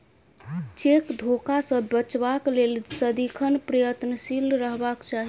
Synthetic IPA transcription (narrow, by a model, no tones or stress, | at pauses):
t͡ʃekd̪ʱokasə̃bət͡ʃbaklelsəd̪ikʰənpɾəjət̪nəsilɾəɦbakt͡ʃaɦi